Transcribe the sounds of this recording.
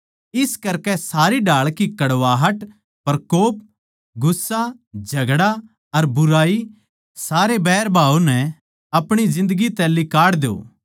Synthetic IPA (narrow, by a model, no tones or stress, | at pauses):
ɪskɐɾkɛsaːɾiɖaːɭkikɐɽʋaːɦɐʈ | pɐɾkoːp̚ | ɡʊsːad͡ʒʱɐɡɽa | ɐɾbʊɾaːi | saːɾebɛːɾbʱaːunɛ | ɐpɽ̃id͡ʒɪ̃nd̪əɡit̪ɛ̃lɪkaːɽd̪eo̰ː